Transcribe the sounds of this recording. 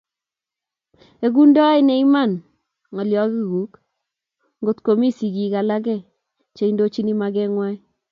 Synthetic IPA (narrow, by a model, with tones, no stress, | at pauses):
e˨ku˦ndɔ˦i˦nɛ˦i˦ma˦˨n | ŋɔ˨ljɔ˨˦ki˦ɡu˨˦k | ŋɡo˦tko˨mi˦si˨ki˨ka˨la˦k̬ɛ˦˨ | t͡ʃe˨indo˦t͡ʃi˦ni˦ma˨kɛ˦ŋwa˦